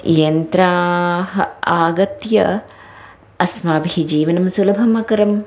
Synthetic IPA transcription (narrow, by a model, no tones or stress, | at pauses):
jɐnt̪ɾaɦɐaːɡɐt̪jɐ | ɐsmaːbʱid͡ʒiːʋɐnɐmsulɐbʱɐmɐkɐɾɐm